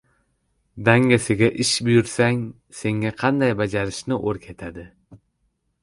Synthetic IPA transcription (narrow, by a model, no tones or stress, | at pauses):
d̪aŋɡasɪɡʲaʔɪʃbʊjʊɾsaŋ | se̞ŋaqʰɑnd̪ajbad͡ʒaɾɪʃnɪʔoɾkʲʰe̞t̪ʰad̪ɪ